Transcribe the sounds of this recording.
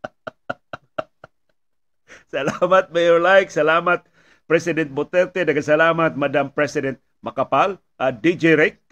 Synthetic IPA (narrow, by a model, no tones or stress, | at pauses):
sɐlamat̪̚mɛjɔɹlajksɐlaːmat̪̚ | pɾɛsɪdɛnt̪̚bot̪ɛɾt̪ɛdaɡasɐlaːmat̪̚mad̪ampɾɛsɪdɛnt̪̚ | makapal | ʔad̪id͡ʒɛɾɪk̚